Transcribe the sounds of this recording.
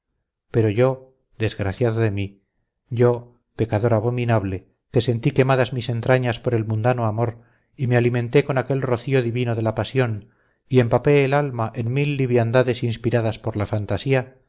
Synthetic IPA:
pe̞ɾo̞ʝo̞ | ðe̞zɣɾaθjaðoðe̞mi | ɟ͡ʝo̞ | pe̞kaðo̞ɾaβo̞minaβle̞ | ke̞se̞nt̪ike̞maðazmise̞nt̪ɾaɲaspo̞ɾe̞lmũnd̪anoamo̞ɾ | imealimẽ̞nt̪e̞ko̞nake̞lro̞θio̞ðiβinoðe̞lapasjo̞n | ie̞mpape̞ːlalmaʔenmilːiβjand̪aðe̞sinspiɾaðaspo̞ɾlafant̪asia

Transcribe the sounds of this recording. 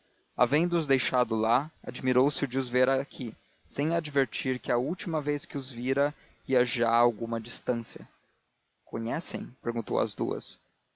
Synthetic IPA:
a̰vẽnd̪ʊʊzd̪ejʃad̪ʊlaa̰d͡ʒimiɾowsɪʊd͡ʒɪʊzveɾakʰi | sẽj̃ad͡ʒveɾt͡ʃiɾkɪɐuwt͡ʃimɐvejskɪʊzviɾɐ | iɐʒaːwɡũmɐd͡ʒist̪ɐ̃siɐ̰ | kõɲɛsḛ̃j̃peɾɡũnt̪o̰wɐ̰zd̪ṵɐ̰s

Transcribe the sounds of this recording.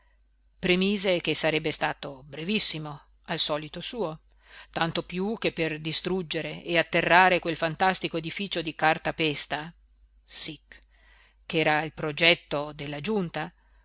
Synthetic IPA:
pɾemiːzek̟esaɾɛbːest̪aːt̪obɾevisːimo | alsɔːlit̪osuːo | t̪ant̪opjuk̟epːerd̪ist̪ɾud͡ʒːeɾeeat̪ːerːaːɾekwelfant̪ast̪ikoed̪ifiːt͡ʃod̪ikart̪apɛst̪a | sik | kːɛːɾailpɾod͡ʒɛt̪ːod̪elːad͡ʒunt̪a

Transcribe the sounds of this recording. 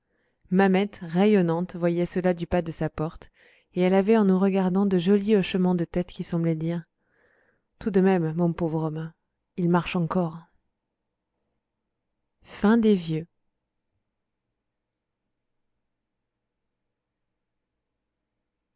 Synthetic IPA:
mamɛt̪ʁejɔnɑ̃t̪vwajɛsəlad̪ypad̪əsapɔʁt̪ | eɛlavɛɑ̃nuʁəɡaʁd̪ɑ̃d̪əʒɔliɔʃəmɑ̃d̪ət̪ɛt̪kʲisɑ̃blɛd̪iʁ | t̪ud̪əmɛmːɔ̃povʁɔmɛ̃ | ilmaʁʃɑ̃kɔʁ | fɛ̃d̪evjø

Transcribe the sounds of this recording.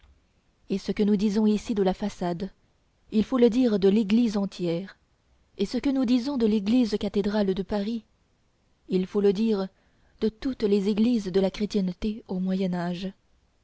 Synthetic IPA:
esəkənud̪izɔ̃isid̪əlafasad̪ | ilfoləd̪iʁd̪əleɡlizɑ̃t̪jɛːʁ | esəkənud̪izɔ̃d̪əleɡlizkat̪ed̪ʁald̪əpaʁi | ilfoləd̪iːʁ | d̪ət̪ut̪lezeɡlizd̪əlakχet̪jɛnt̪eomwajɛnaʒ

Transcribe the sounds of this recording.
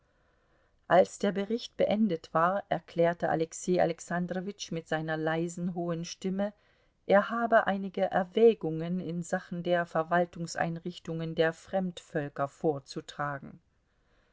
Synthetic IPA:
ʔalsd̥eːɐbəʁɪçtb̥əʔɛndətv̥aːɐʔɛɐkʰl̥ɛːɐtəʔa̰lɛkseːa̰lɛksandʁovɪt͡ʃmɪtz̥aɪnɐlaɪzn̩ɦoːənʃtɪmə | ʔeːɐhaːbəʔaɪnɪɡəʔɛɐvɛːɡʊŋənɪnzaχn̩deːɐfɛɐvaltʊŋsʔa̰ɪnʁɪçtʊŋəndeːɐfʁ̥ɛmtfœlkɐfoːɐt͡sutʁ̥aːɡŋ̩

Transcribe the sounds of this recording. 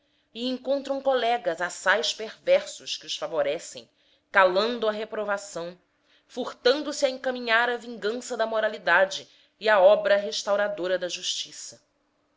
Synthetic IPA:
iẽŋkõnt̪ɾɐ̃w̃kolɛɡɐzasajʃpeɾvɛɾsʊʃkɪʊsfavoɾɛsḛ̃j̃ | kalɐ̃nd̪ʊɐɦepɾovasɐ̃w̃ | fuɾt̪ɐ̃nd̪ʊsɪɐẽŋkamĩɲaɾɐvĩŋɡɐ̃sɐd̪ɐmoɾalid̪ad͡ʒɪː | aɔbɾɐɦeʃt̪awɾad̪oɾɐd̪ɐʒuʃt͡ʃisɐ

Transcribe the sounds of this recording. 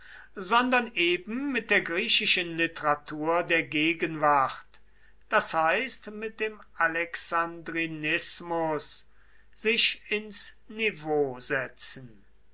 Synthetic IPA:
zɔndɐnʔeːbm̩ːɪt̚d̥eːɐɡʁiːʃɪʃənlɪtəʁatʰuːɐdeːɐɡeːɡənvaχt | d̥ashaɪstmɪt̚d̥eːmalɛksandʁinɪsmʊs | z̥ɪʃɪns | nivoːzɛt͡sn̩

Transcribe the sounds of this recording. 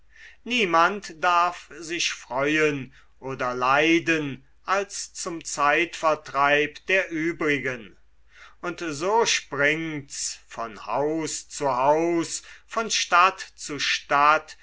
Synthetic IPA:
niːmantd̥aɐfzɪʃfʁ̥ɔʏən | ʔoːdɐlaɪdən | ʔalst͡sʊmt͡saɪtfɐɐtʁ̥aɪpd̥eːɐʔyːbʁɪɡən | ʔʊntzoːʃpʁɪŋtsfɔnha̰ʊst͡suhaʊsfɔnʃtatt͡suʃtat

